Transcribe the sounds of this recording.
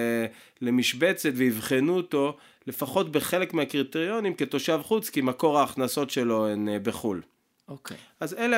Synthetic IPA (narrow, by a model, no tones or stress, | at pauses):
le̞miʃbet͡set̪veivχenuoto̞ | le̞faχo̞tbe̞χe̞lekmeakʁit̪eʁjo̞nimke̞t̪o̞ʃavχut͡skimako̞ʁaːχnaso̞tʃe̞lo̞enbeχul | okʔazele